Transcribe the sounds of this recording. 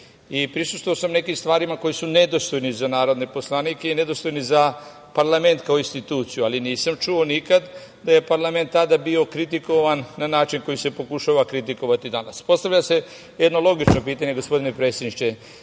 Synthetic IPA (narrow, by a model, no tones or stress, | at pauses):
ipɾisu̥st̪ʋoaosamne̞kimst̪ʋaːɾimako̞jisune̞d̪o̞st̪ojnizanaːɾo̞d̪ne̞po̞slˠanikeine̞d̪o̞st̪ojniza | paɾlˠame̞nt̪kaoinst̪it̪uːt̪sijualiniːsamt͡ʃuo̞nikad̪ | d̪aje̞paɾlˠame̞nt̪ːad̪abio̞kɾit̪iko̞ʋanːanaːt͡ʃinko̞jise̞po̞kuʃaʋakɾit̪iko̞ʋat̪id̪anaspo̞st̪aʋʎʲase̞ | jed̪no̞lˠo̞ɡit͡ʃno̞piːt̪aɲe̞ɡo̞spo̞d̪ine̞pɾe̞ːt̪sjed̪niʃt͡ʃe